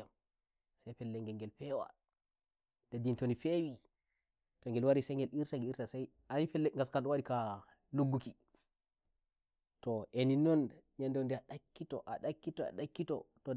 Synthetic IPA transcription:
am | sajfɛlːɛŋɡɛŋɡɛlfɛwa̰ | d̥adintonifewi | tɔŋɡɛlwaɾisɛŋɡɛliɾtaŋɡiɾtasaj | anifɛlːɛŋɡaskanɗɔwaɗika | luɡːuki | tɔʔeninɔnɲandɔwndɛaɗakːitɔ̰ʔaɗakːitɔa̰ɗakːitɔ̰tɔ

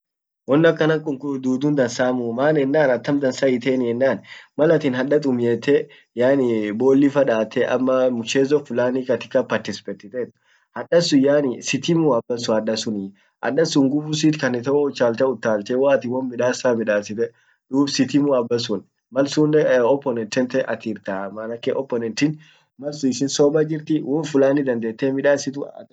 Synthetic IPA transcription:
wɔnːɐkːɐnɐŋkʼʊŋkʊd̪uːd̪ʊnd̪ɐnsaːmʊmaːnɛnːaːnɐt̪ːɐmd̪ɐnsaɪt̪eːnɪɛnːaːnmɐlɐt̪ɪnɦɐᶑɐt̪ʼʊmjeːt̪ɛ | jaːnɪbo̞ːlːɪfɐᶑaːt̪ːɛʔɐ̰mːɐmʊt͡ʃːeːzɔfʊlaːnikɐt̪ɪ̥kːɐpɐɾt̪ɪsɪ̥pɛt̪ːɪt̪et̪ː | hɐᶑɐsʊjaːnɪsɪt̪ɪmuɐbːɐsʊɐᶑɐsʊnɪ | ʔɐ̰ᶑɐsuŋɡʊfʊs̬it̪kɐnɛt̪ɐɔʊt͡ʃːaːlt̪ɐʊt̪ːaːlt̪ɛwaːɐt̪ɪwɔnmɪᶑaːsaːmɪᶑaːsɪt̪ɛ | d̪̥uːbsɪt̪ɪmuɐbːɐsʊn | mɐlsuːnɛɔpːɔnɛnt̪ɛnt̪ɛʔɐt̪iːɾt̪amanɐkːeʔɔpːɔnɛnt̪ɪn | mɐlsʊɪsɪnsɔːbɐd͡ʒɪɾt̪ɪwɔnfʊlaːnid̪ɐnd̪eːt̪ːeːmɪᶑaːsɪt̪ʊ̰

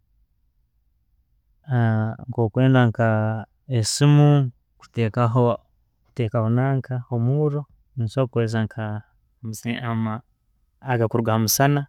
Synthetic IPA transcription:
aŋkoːkweːndaŋka | esimu | ku̥tekao | ku̥tekahonaːŋkʰaomuɾo | insokwes̬aŋkʰa | muiamaː | ɡakuɾuɡahmusana

